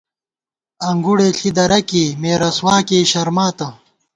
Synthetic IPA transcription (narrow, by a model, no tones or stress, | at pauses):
ɐŋɡuɽeːɬʰid̪ɐɾɐkeːmeːɾɐswaːkeːɕɐɾmaːt̪ɐ